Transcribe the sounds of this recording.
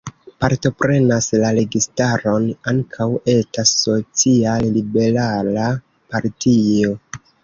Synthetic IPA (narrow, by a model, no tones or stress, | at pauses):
paɾto̞pɾe̞naslaɾe̞ɡistaɾo̞naŋkʰawe̞stasːo̞t͡siallibe̞ɾala | paɾtʰio̞